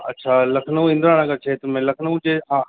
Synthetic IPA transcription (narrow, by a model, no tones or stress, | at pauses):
ɐ̰tːʃʰaːlɐkʰnũɪ̃nd̪ɾaːɽ̃ãkɐt͡ʃʰeːt̪ʊmẽlɐkʰnũd͡ʑeã